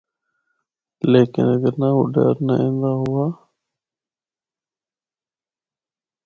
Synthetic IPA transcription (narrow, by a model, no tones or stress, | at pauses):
leːkɪ̰nəɡəɾnaːɦʊ̰ɖa̰ːɾnaẽːnd̪aːɦʊaː